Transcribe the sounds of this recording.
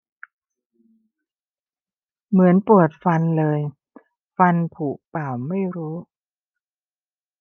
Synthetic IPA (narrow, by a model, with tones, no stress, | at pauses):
mɯ˩˦ənpu˨˩ət̪̚fa˧nlɤː˧j | fa˧npʰuː˨˩paː˨˩wma˥˩jɾuː˦˥